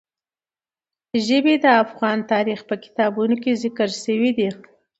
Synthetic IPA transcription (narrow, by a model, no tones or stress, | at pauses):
ʒəbed̪əafɣɑnt̪ɑɾixpəkɪ̥t̪ɑbunokezɪkəɾʃəwid̪i